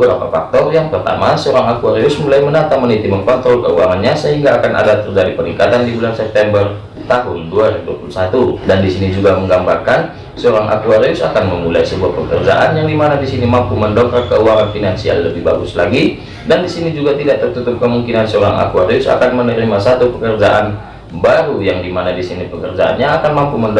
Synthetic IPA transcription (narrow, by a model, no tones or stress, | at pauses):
əbəɾapafa̰k̚t̪ɔrjaŋpərt̪a̰masəoɾaŋakuaɾiʊsmulajmənat̪amənit̪imənkɔnt̪ɾɔlkəuaŋanɲasəɦiŋɡaːkanʔa̰dat̪ərd͡ʒadipəɾiŋkat̪andibulansɛp̚t̪ɛmbər | t̪aɦʊnduaɾiduapulusat̪udandisinid͡ʒuɡaməŋɡambarkan | səoɾaŋʔa̰kuaɾiʊsakanməmulaisəbuahpəkə̰rd͡ʒa̰ʔanjaŋdimanadisinimampuməndɔŋkarkəuaɾanfinansia̰lːəbɪhba̰ɡʊslaɡi | dandisinid͡ʒuɡat̪idaʔt̪ərt̪ut̪ʊp̚kəmuŋkinansəoɾaŋa̰kuaɾiʊsa̰kanmənəɾimasat̪upəkərd͡ʒaʔan | baɾujaŋdimanadisinipəkərd͡ʒa̰ʔa̰nɲaːkanmampumənd